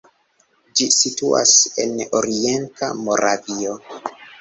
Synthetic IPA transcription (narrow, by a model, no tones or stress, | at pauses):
d͡ʒisitua̰se̞̰noɾie̞ntʰa̰mo̞ɾavio